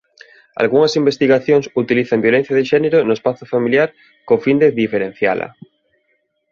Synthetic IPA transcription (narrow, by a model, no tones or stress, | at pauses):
a̰lɣuŋɐsimbest̪iɣaθjoŋsut̪iliθambjolẽn̟θjaðeʃɛneɾonoespaθofamiljaɾ | kofind̪eðifeɾen̟θja̰lɐ̰